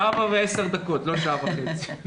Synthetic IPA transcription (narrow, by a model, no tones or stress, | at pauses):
avaveeseʁd̪ɐkot̪loʃ̬avaχet͡si̥